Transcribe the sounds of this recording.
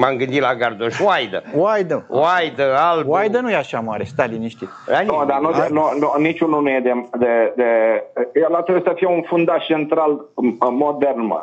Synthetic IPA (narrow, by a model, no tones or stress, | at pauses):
mamɡɨnd̪it̪laɡard̪oʃwajd̪əwajd̪əwajd̪əalwajd̪ənujeaʃamaɾest̪aliniʃt̪i | anod̪anoenonunit͡ʃʲununujed̪emd̪ed̪ejelat̪ɾebujsəfijeunfund̪aʃt͡ʃent̪ɾalmod̪ernmə̰